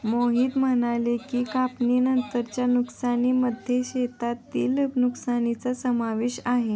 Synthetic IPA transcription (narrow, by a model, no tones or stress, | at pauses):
moɦiːt̪mənalekiːkapninənt̪əɾt͡ɕjanuksaniməd̪ʱjeɕet̪at̪ːiːləɡnuksanit͡sasəmaʋeɕaɦe